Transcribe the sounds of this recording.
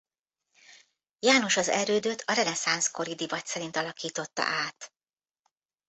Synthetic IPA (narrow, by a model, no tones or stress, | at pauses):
jaːno̞ʃɒzɛ̰røːd̪øt̪ʰɒɾɛnɛsansko̞ɾid̪ivɒt̪sɛɾint̪ɒlɒkiːt̪o̞t̪ːɒ̰ʔaːt̪